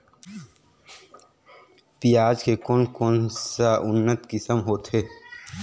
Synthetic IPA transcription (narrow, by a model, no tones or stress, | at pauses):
pijaːd͡ʒkʰekoːnkoːnsaʔʊnːət̪kisəmɦoːt̪ɦeː